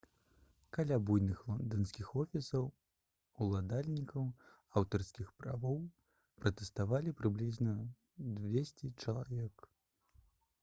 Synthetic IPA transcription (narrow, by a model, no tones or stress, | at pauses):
kalʲabujnɨxlˠɔnd̪ɐnskʲixɔfʲisɐw | ulˠad̪alʲnʲikʰɐw | awt̪ɐrskʲixpɾa̰vɔw | pɾɐt̪ɛst̪avalʲipɾɨblʲiznɐ | d̪vʲesʲt͡sʲɛt͡ʂɐlˠavʲɛk